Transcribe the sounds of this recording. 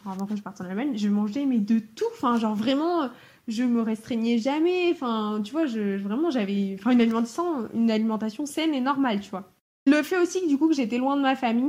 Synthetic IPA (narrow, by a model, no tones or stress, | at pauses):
avɑ̃kəʒəpaʁt̪edɑ̃nalmaɲʒəmɑ̃ʒɛmɛd̪ət̪uɑ̃fɛ̃ʒɑ̃ʁvʁɛmɑ̃ | ʒəməʁɛst̪χɛɲɛʒamɛ̃fɛ̃t̪̬yvwaʒəvʁɛmɑ̃ʒavɛɑ̃fɛ̃ynalimɑ̃t̪ḁsɑ̃ynalimɑ̃t̪asjɔ̃sɛnenɔʁmalt̪yvwa | ləfɛosikd̪ykukəʒet̪ɛlwɛ̃d̪əmafamij